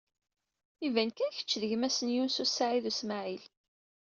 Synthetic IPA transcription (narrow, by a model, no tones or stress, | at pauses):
ivænkæçə̥t͡ʃːðəʝmæsənjunsusːaʕiðusmaʕil